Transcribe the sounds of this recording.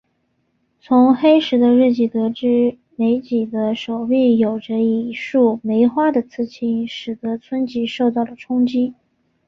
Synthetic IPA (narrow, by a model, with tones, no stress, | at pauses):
t͡sʰʊ˧˥ŋxe˥ɪʂɻ̩˧˥d̪ə˧ɻ̩˥˩t͡ɕi˨˩t̪ɤ˧˥ʈ͡ʂɻ̩˥ | me˧˥ɪt͡ɕi˨˩d̪ə˦ʂo˨˩ʊpi˥˩jo˨˩ʊʈ͡ʂə˦i˨˩ʂu˥˩me˧˥ɪxwa˥d̪ə˨t͡sʰɹ̩˥˩t͡ɕʰi˥nʂɻ̩˨˩d̪ɤ˧˥t͡sʰwə˥nt͡ɕi˧˥ʂo˥˧ʊt̪ɑ˥˩ʊlə˩ʈ͡ʂʰʊ˥ŋt͡ɕi˥